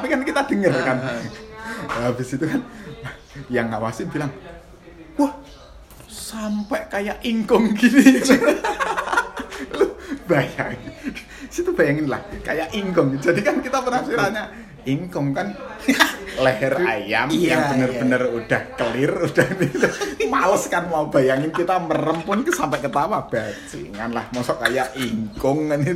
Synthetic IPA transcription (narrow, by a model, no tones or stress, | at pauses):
t̪apikankit̪ad̥əŋərkan | abɪsit̪ukan | jaŋawasib̥ilaŋ | wah | sampɛʔkajaʔiŋkʊŋɡinit̪ | lub̥aja̰ŋ | sit̪ub̥ajaŋɪnla̰hka̰jaʔiŋkʊŋd͡ʒadikankit̪apənasiɾaɲa | iŋkʊŋkan | ləɦɛrajamjaŋənərb̥ənərud̥a̤hkəlɪrud̥anit̪umaləskanmaub̥ajaŋɪnkit̪amərəmpʊnksampɛʔkət̪awab̥at͡ʃḭŋanlahmɔsɔʔkajaʔiŋkʊŋan